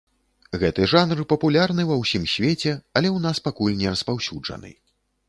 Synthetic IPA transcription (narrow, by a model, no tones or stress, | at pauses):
ɣɛt̪ɨʐanrɨpɐpulʲarnɨvɐwsʲimsʲvʲet͡sʲɛɐlʲɛwn̪aspakulʲnʲɛɾɐspawsʲud͡ʐɐ̰nɨ̰